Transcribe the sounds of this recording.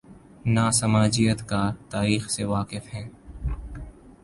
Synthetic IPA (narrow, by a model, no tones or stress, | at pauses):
naːsɐmaːd͡ʒijət̪kat̪aːɾiːxseʋaːqɪfɦɛ̃ː